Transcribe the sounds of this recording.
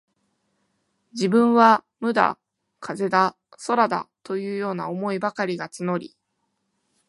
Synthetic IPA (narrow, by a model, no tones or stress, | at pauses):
d͡ʑibɯ̟̃ɰ̃βa | mɯ̟d̪a̰ | kʰaze̞d̪a | so̞ɾad̪a̰t̪o̞jɯ̟ːjo̞ːnaomo̞ibakaɾʲiɡat͡sɨno̞ɾʲḭ